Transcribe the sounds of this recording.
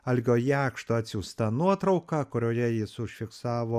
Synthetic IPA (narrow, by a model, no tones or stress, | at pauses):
ɐlʲɡʲoːjæːkʃt̪oɐt̪ʲsʲust̪ɑnuɔt̪ɾɐʊkɑːkʊɾʲoːjɛjɪsʊʃʲfʲɪksɑːʋoː